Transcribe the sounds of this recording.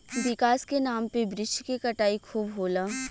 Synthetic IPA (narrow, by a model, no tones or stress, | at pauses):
ʋɪkaːskenaːmpebɾɪʃkekɐʈaːikʰuːbɦoːlaː